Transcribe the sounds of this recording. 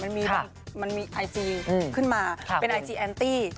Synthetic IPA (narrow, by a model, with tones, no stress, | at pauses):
ma˧nmiː˧ɔ˧ | ma˧nmiː˧ʔaː˧jsiː˧˩kʰɯ˥˩nmaː˧pe˧nʔaː˧jt͡ɕiː˧ʔɛː˧nt̪iː˥˩